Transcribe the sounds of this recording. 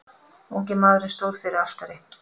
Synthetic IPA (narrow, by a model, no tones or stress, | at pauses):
uŋc̬ɛɾmaːðɾɪnst̪oːwɾ̥fɪɾɪɾast̪aɾɪ